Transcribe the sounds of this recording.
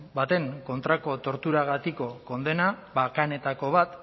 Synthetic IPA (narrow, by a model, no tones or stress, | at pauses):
bat̪e̞ŋko̞nt̪ɾako̞t̪o̞ɾt̪uɾaɣat̪iko̞ko̞nd̪e̞naβakane̞t̪ako̞βat̪